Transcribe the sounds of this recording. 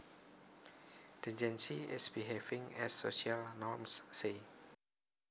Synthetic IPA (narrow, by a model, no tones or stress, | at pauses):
d̥ɛ̃d͡ʒɛ̃nsiɪ̰sbiɦevɪ̃ŋɛ̰sːoʃialnɔmsːe